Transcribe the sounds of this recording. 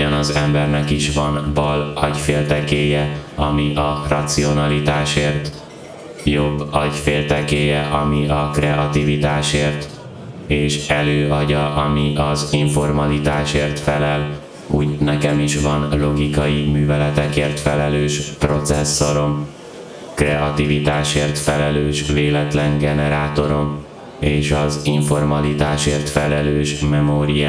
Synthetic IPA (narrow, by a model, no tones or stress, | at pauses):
ɒnɒzɛmbɛrnɛkiʃvɒnbɒlɒɟfeːlt̪ɛkeːjɛɒmiʔɒrɒt̪sio̞nɒlit̪aːʃeːrt̪ | jo̞bːɒɟfeːlt̪ɛkeːjɛʔɒmiɒkrɛʔɒt̪ivit̪aːʃeːrt̪ | eːʃɛløːɒɟɒʔɒmiʔɒziɱfo̞rmɒlit̪aːʃeːrt̪fɛlɛl | ṵːɟnɛkɛmiʃvɒnlo̞ɡikɒjimyːvɛlɛt̪ɛkeːrt̪fɛlɛløːʃpro̞t̪sɛsːo̞ɾo̞m | krɛɒt̪ivit̪aːʃeːrt̪fɛlɛløːʃveːlɛt̪lɛŋɡɛnɛɾaːt̪o̞ɾo̞m | eːʃɒziɱfo̞rmɒlit̪aːʃeːrt̪fɛlɛløːʃmɛmoɾij